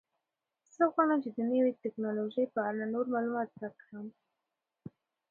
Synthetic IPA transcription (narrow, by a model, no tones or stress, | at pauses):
səɣwɑɽamt͡ʃed̪ənəwet̪ɪknɑloʒəjpəaɽanoɾmɑlumɑt̪̚dakəm